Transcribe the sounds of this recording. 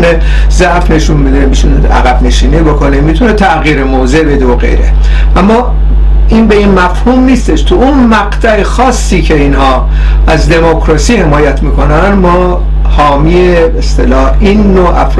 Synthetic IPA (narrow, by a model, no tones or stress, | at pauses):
ne | zæʔfne̞ʃunbed̪emit̪ʰunḛæ̰ɣæbne̞ʃiːnibokʰo̞nemit̪ʰunet̪ʰæɣjiːɾemoːzebe̞d̪eoɣḛjɾḛ | ʔæmːɒ | inbe̞inmæfhumniːst̪eʃt̪ʰuunmæɡt̪ʰæexɒːsːiːcʰe̞inhɒː | æzd̪e̞mokʰɾɒːsiːhe̞mɒːjæt̪ʰmiːko̞nænmɒː | hɒːmiebeest̪elɒːh | inːoʔæ̰fɾ